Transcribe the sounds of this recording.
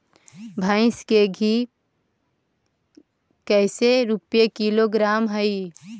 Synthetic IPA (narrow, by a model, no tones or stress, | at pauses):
bʱaɪ̃skeɡʱi | kəɪseɾupjekiloɡɾamɦəi